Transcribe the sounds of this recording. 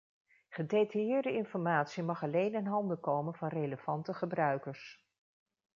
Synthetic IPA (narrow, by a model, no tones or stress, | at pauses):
χədejtɑjɪːɹdəɪnfɔɹmaːtsimɑχɑlejnɪnɦɑndəkowmənvɑnrejləv̥ɑntəχəbrœɥkəɹs